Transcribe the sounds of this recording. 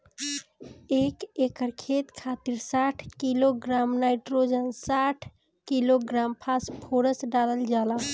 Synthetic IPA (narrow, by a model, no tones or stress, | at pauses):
ekekəɾkʰet̪kʰat̪iɾsaʈʰkiloɡɾamnajʈɾod͡ʒənsaʈʰ | kiloɡɾampʰaspʰoɾəsɖaləld͡ʒala